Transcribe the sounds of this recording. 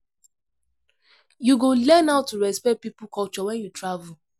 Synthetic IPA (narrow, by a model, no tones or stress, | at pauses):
juɡolɛ̃naʊtːuɹɛspɛt̚pipʊkɔt͡ʃɔwɛ̃njutɹavul